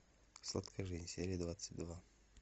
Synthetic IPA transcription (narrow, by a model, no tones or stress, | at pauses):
slˠa̰t̪kʰəʐɨzʲnʲsʲeɾʲɪjəd̪vat̪sːɨtʲd̪va